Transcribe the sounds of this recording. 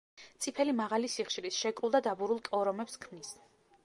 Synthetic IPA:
t̪sʼipʰɛlimaʁalisiχʃilisʃɛkʼɾulˠd̪ad̪abuɾulˠkʼɔɾɔmɛpskʰmnis

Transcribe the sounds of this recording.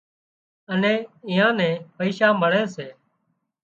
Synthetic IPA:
ənɛ̃ːɪːjãːnɛ̃ːpəiːʃaːməɭɛːseː

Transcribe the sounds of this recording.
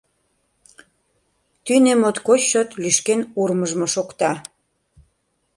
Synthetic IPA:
t̪ynemot̪kot͡ɕːot̪lyʃkenurməʒmoʃokt̪ɑ

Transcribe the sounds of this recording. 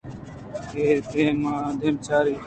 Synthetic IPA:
keːɾpeːmaːd̪ʱjəmt͡ʃʰaːɾiː

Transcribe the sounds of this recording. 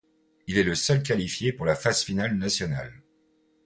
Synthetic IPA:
ilɛləsœlkʲalifjepuʁlafaz̥finalnasjɔna̰l

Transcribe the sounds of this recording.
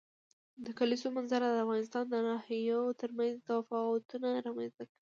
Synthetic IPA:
d̪əkalisomanzaɾad̪əafɣɑnɪst̪ɑnd̪ənɑhjat̪əɾmanzt̪awafɑʊt̪unaɾɑmanzt̪aki

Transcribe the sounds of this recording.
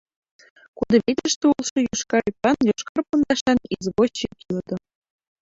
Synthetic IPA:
kud̪ɤ̆βʲet̪ʲɘ̆ʃt̪ʲɘ̆ulˠʂɤ̆juʃkɑɾipːɑnjoʃkɑrpɤ̆nd̪ɑʃɑnizboɕikʲilɤ̆d̪ɤ̆

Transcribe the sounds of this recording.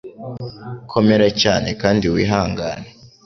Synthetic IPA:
kʰo̞meɾacaːne̞kaːndiwiːɦaːŋɡa̰ːne

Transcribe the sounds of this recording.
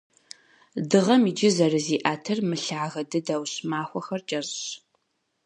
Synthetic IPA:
dɨʁɐmid͡ʒɪzɐrɨziːʔaːtʰɨrmɨɬaːɣɐdɨdɐwɕmaːxʷɔxɐrt͡ʃʼɐzɕ

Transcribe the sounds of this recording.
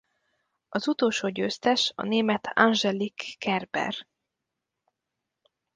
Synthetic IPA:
ɒzut̪oːlʃoːɟøːst̪ɛʃɒ̰neːmɛt̪ʰa̰nʒɛlikːɛrbɛ̰r

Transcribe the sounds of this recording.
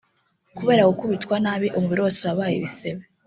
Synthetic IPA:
kuβe̞ːɾakokuβitkwanaːβiʔomuβiɾosoβaβaːjḭβiseβe

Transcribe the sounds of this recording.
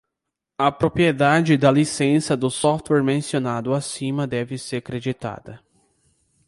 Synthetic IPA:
ɐpɾopɾied̪ad͡ʒɪd̪ɐlisẽsɐd̪ʊsɔft̪wɛɾmẽsionad̪ʊasĩmɐd̪ɛvɪseɾkɾed͡ʒit̪a̰d̪ɐ

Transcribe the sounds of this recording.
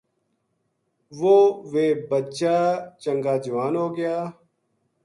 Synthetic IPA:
ʋoːʋeːbət͡ʃaːt͡ʃəŋɡaːd͡ʒəʋaːnɦoːɡɪjaː

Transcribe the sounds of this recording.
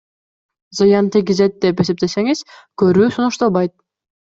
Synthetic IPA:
zɨjɑnt̪iɡ̬ʲizet̪̚d̪epe̞se̞p̚t̪e̞se̞ŋiz̥køɾyːsunuʃt̪ɑlˠbɑjt̪̚

